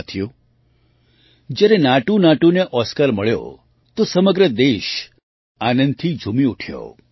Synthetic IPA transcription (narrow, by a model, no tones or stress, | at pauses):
t̪ʰijo | d͡ʒjaɾenaʈunaʈuneʔɔskəɾməɭjo̰ | t̪osəməɡɾəd̪eʃ | anə̃nd̪̚t̪ʰid͡ʒʱumiuʈʰjo̰